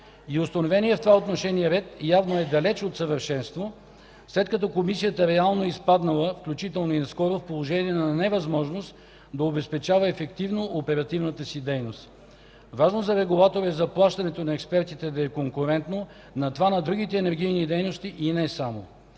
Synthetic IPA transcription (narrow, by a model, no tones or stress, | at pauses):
iʊst̪ɐnovɛniɛft̪ovaot̪noʃɛniɛɾɛt̪javnoɛd̪ɐlɛt͡ʃot̪səvəɾʃɛnst̪vo | slɛt̪kɐt̪̬ɔkomisijət̪əɾɛalˠnoispad̪nɐlˠəfklʲut͡ʃit̪ɛlˠnoinɐskɔɾofpolˠoʒɛniɛnɐnɛvɐzmɔʒnost̪ | d̪ɐobɛspɛt͡ʃavɐɛfɛkt̪ivnoʔopɛɾɐt̪ivnət̪əsid̪ɛjnost̪ | vaʒnozɐɾɛɡʊlˠat̪oɾɛzɐplˠaʃt̪ɐnɛt̪onɐɛkspɛɾt̪it̪ɛd̪ɐɛkoŋkʊɾɛnt̪no | nɐt̪ovanɐd̪ɾuɡ̟ʲit̪ɛːnɛɾɡ̟ijnid̪ɛjnost̪iʔinɛsamo